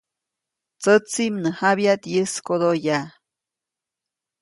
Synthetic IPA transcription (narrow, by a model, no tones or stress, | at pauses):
t͡sət͡simnəhaβjat̪jəskod̪oja